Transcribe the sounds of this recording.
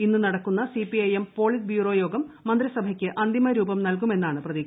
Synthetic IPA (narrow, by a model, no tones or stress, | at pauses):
inːunɐɽɐkːunːɐsipiɐjempo̞ːɭisbjuːro̞ːjo̞ːɡɐmːɐnd̪ɾɐsɐbʱɐkʲːɨʔɐnd̪ʱimɐɾuːbɐmnɐlk̬ume̞nːaːɳɨprɐðiː